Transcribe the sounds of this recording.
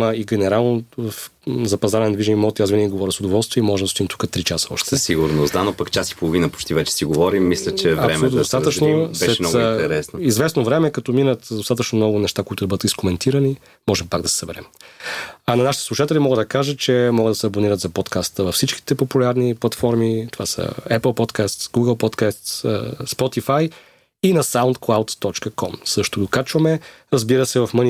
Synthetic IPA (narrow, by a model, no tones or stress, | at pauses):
məiɡʲɛnɛɾalˠnofzɐpɐzaɾɛnd̪viʒɛnʲimɔt̪iazvinɛnʲiɡovɔɾʲəsʊd̪ovɔlˠst̪viɛimɔʒɛmd̪ɐst̪imt̪u̥kət̪ɾit͡ʃasə̥ɔ̰ʃt̪ɛsiɡuɾnosd̪anopɐkt͡ʃasi̥polˠovinəpo̥t͡ʃt̪ivɛt͡ʃɛ̥siɡovɔɾimːislʲət͡ʃɛɐvɾɛsmlud̪ost̪at̪ət͡ʃnosɛɛɛɔit̪ɛɾɛsnoizvɛsnovɾɛmɛkɐt̪ɔminət̪d̪ost̪at̪ət͡ʃnomnɔɡʊnɛʃt̪akoit̪ʊd̪ɐbɤd̪ət̪iskomɛnt̪ʰiɾəni | mɔʒɛmpaɡd̪ɐsɛ̥sɐbɛɾɛ̰m | anɐnaʃit̪ɛ̥slˠuʃat̪ɛlʲimɔɡəd̪d̪ɐkaʒət͡ʃɛmɔɡəd̪ɐsɛɐboniɾət̪zɐpɔt̪kast̪əvɐfsit͡ʃki̥t̪ɛpopulʲaɾniplˠɐt̪fɔɾmit̪ovasə̰ɛpəlˠpɔt̪kast̪sɡuɡəlˠpɔt̪kast̪səspɔt̪ifaj | inɐsawnt̪klˠawt̪ːɔt͡ʃkəkʰɔmsɤʃt̪oɡ̪okat͡ʃvɐmɛ | ɾɐzbiɾəsɛvɐfmən